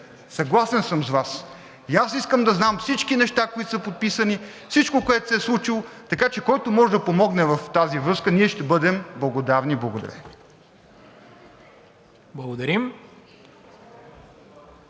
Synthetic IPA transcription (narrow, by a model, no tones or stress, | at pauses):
sɐɡlˠasɛnsəmzvas | jasiskəmd̪ɐznamfsit͡ʃkinɛʃt̪akoit̪sɐpot̪̚pisəni | fsit͡ʃkokoɛt̪sɛslˠut͡ʃilˠot̪ɐkat͡ʃɛkɔjt̪omɔʒɛd̪ɐpomɔɡnɛvɐft̪azivɾɤskəniɛʃt̪ɛbɤd̪ɛmblˠɐɡod̪avniblˠɐɡod̪ɐ̰ɾɛ̰ | blˠɐɡod̪ɐɾim